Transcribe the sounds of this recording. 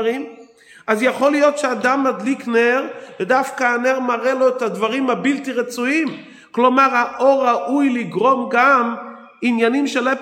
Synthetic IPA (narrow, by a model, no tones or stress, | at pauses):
ʁim | azjaχolijotʃeadamːad̪likneʁvɛdafkaːneʁmaʁeloetad̪vaʁimhabilt̪iʁɛt͡suim | klomaʁaʔoʁaʔujliɡʁomɡam | injanimʃele